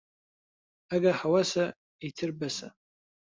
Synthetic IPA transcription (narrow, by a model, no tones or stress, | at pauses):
aɡaħawasa | itʰɨrbasa̰